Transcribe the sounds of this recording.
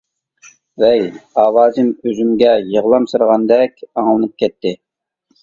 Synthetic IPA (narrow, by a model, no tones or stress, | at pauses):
vɛjɑːwɑːzɨmøzymɡʲɛjəʁlˠɑmsɨɾʁɑnd̪ɛkʲɑŋlˠɨnɨp̚kʲɛt̪ʰːɪ